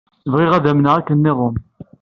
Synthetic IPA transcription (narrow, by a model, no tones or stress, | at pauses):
vʁɪʁæðæmnəʁækːənːɪðˤʊm